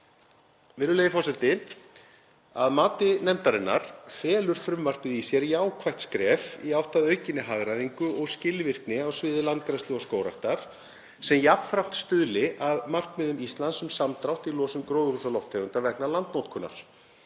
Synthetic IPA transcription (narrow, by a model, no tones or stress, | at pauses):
vɪɾʏlejðɪfɔwsɛlt̪ɪ | aðmaːt̪ɪnɛmt̪aɾɪnːa̰ɾ̥fɛːlʏɾ̥fɾʏmvar̥p̪ɪðisjɛɾjaːwkʰvajht̪skɾɛːfiawht̪aðœɥcɪnːɪɦaɣɾaðiŋkʏʔɔɣscɪlːɪvɪr̥knɪawsvɪːðɪlant̪̚kɾast̪ɪɔskoːwɾaht̪aɾ̥ | sɛmjapfɾawm̥t̪st̪ʏðlɪʔaðmar̥k̪mɛðʏmist̪lansʏmsamt̪ɾawht̪ilɔːsʏmkɾoːwɣʏrusalɔwft̪ʰevʏnt̪avɛknalant̪nowt̪kʰʏnːa̰ɾ̥